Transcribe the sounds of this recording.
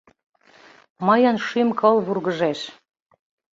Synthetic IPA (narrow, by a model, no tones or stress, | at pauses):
mɤjɤnʃymkɤlβurɣə̆ʒæʃ